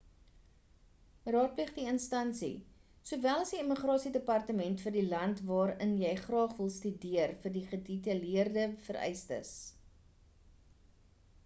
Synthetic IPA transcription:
rɑːt̚pliχdiənstɐnsḭ | suvælˠɐsdiiməχrɑːsidəpɐrtəmɛntfərdilɐntvɑːɾənjɛjχrɑːχvəlˠstydiərfərdiχəditəliərdəfəɾɛ̰jstə̰s

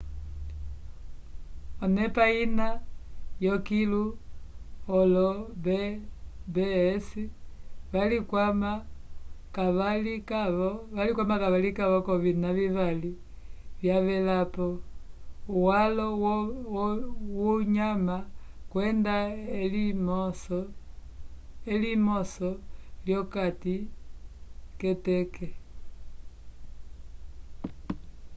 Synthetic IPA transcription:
ɔnɛpainajɔkilu | ɔlɔbɛ | bɛsiβalikwama | kaβalikaβɔβalikwamakaβalikaβɔkɔvinaviβali | βjaβɛlapɔ | uwalɔ | wuɲamakwɛndalimɔs | elimɔsɔljɔkati | kɛtɛkɛ

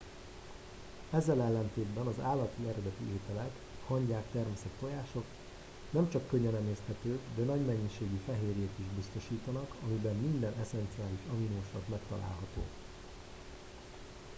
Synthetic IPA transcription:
ɛzːɛlɛlːɛnt̪eːd̪bɛnɒzaːlːɒt̪iɛɾɛd̪ɛt̪ieːt̪ɛlɛk | hɒɲɟaːkt̪ɛrmɛsɛt̪fo̞jaːʃo̞k | nɛmt͡ʃɒkːøɲːɛnɛmeːst̪hɛt̪øːd̪ɛnɒɟmɛɲːiʃeːɡifɛɦeːɾeːt̪iʒbist̪o̞ʃiːt̪ɒnɒkɒmibɛmːind̪ɛnɛsɛnt̪siaːliʃɒminoːʃlɒk̪mɛkt̪ɒla̰ːlɦɒt̪o̰ː

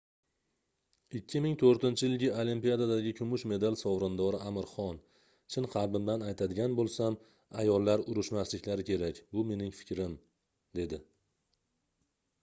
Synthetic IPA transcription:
ɪkʲʰːɪmɪŋt̪ʰoɾt̪ɪnt͡ʃʰɪjɪlɡʲɪolimpijad̪ad̪aɡʲɪkʲʰʊmʊʃme̞d̪alsɒwɾɪnd̪ɒɾɪʔamɪɾχɒn | t͡ʃʰɪnqʰɑɾbɪmd̪anajt̪ʰad̪ɪɡʲanbolˠsam | ajɒlˠːaɾʊɾʊʃmaslɪkʲlaɾɪkʲʰe̞ɾakʲbʊme̞nɪŋfɪ̥kʲɾɪm | d̪e̞d̪ɪ

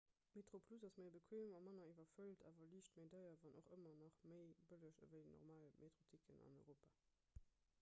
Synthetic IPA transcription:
metʁ̥opʰluzɑsməɪbəkʰweuŋɑmɑnɐivɐfəltʰa̰ːvɐliːʃtmeɪdɑɪɐvɑnoχəmɐnɑχməɪbələʃə̰vəɪnɔ̰ʁmaːlmʔetʁotʰikʰənɑ̰nɔɪʁoːpaː

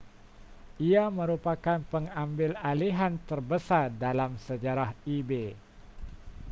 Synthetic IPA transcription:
ʔiamə̃ɾupakanpəŋambɪlaliɦant̪ərbəsardalamsəd͡ʒaɾahibe

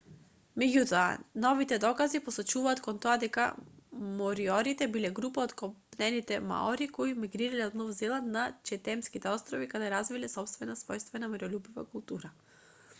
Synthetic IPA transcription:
mɛɟʲut̪ɔa̰nɔvit̪ɛd̪ɔkazipɔsɔt͡ʃuvaːt̪kɔnt̪ɔad̪ɛka̰mɔɾiɔɾit̪ɛbilɛɡɾupaɔt̪kɔpnɛnit̪ɛma̰ɔɾikɔimiɡɾiɾalɛɔd̪nɔvzɛlˠannat͡ʃɛt̪ɛmskit̪ɛɔst̪ɾɔvikad̪ɛɾazvilɛsɔpst̪vɛnasvɔjst̪vɛnamɛɾɔlʲubiva̰kulˠt̪uɾa

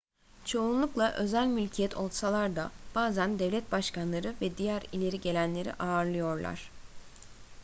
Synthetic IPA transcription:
t͡ʃʰo̞unlˠuklˠaʔø̞zælʲmylʲcʰijɛt̪ʰo̞lˠsalˠaɾd̪ab̥aːzænd̪ɛvlʲɛt̪̚baʃkanlˠaɾɯvɛd̪ijæɾilʲe̞ɾiɟe̞lʲænlʲe̞ɾḭʔaːɾlˠɯjo̞ɾlˠa̰ɾ̥

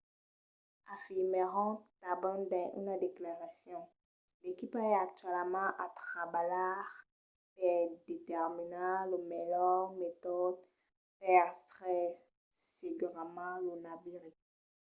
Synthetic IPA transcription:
afiʁmeʁɔ̃t̪abɔ̃nd̪ɛ̃ʔy̰nad̪eklaʁasjɔ̃ | lekipaɛak̚t̪ɥɛlmɑ̃ʔat̪χabalaʁ | pɛd̪et̪ɛʁminalomɛlɔʁmet̪ɔd̪ | pɛʁtχɛ | seɡyʁmɑ̃lonabiʁi

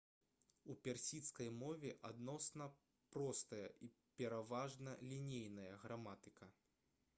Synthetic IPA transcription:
upʲarsʲit̪skɐjmɔvʲɛʔad̪nɔsnɐ | pɾɔst̪ɐjɐ̰ʔi | pʲɛɾavaʐnɐlʲinʲejnɐjɐɣɾamat̪ɨkɐ

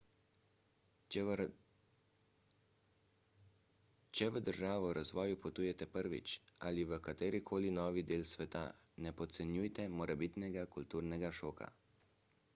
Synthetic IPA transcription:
t͡ʃɛʋəd̪əɾʒaːʋɔɾʔazʋɔːjupɔt̪uːjɛt̪ɛpəɾʋḭt͡ʃa̰liʋəkat̪eːɾikʰoːlinɔːʋid̪eːlsʋɛt̪a̰nɛpɔt̪sɛnjujt̪ɛmɔɾɛbit̪nɛɡakult̪uːɾnɛɡaʃoːkʰa̰

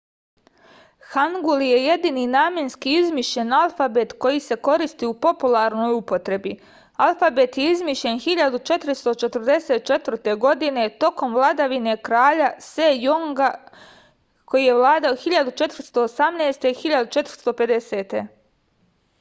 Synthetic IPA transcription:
xaŋɡulje̞je̞d̪ininaːmjenskiizmiʃʎe̞nalˠfabet̪ko̞jise̞ko̞ɾist̪iupo̞pulˠaɾno̞ːjupo̞t̪ɾe̞bi | alˠfabet̪je̞izmiʃʎe̞nxiʎad̪ut͡ʃe̞t̪ɾist̪o̞t͡ʃe̞t̪rd̪e̞se̞t̪̚t͡ʃe̞t̪ʋɾt̪e̞ɡo̞d̪ine̞t̪o̞ko̞mʋlˠad̪aʋine̞kɾaːʎasejoŋɡa | ko̞jije̞ʋlˠaːd̪aoxiʎad̪ut͡ʃe̞t̪r̩st̪o̞ːsamneːst̪e̞ixiʎad̪ut͡ʃe̞t̪ɾ̩̥st̪o̞pe̞d̪e̞se̞t̪e̞

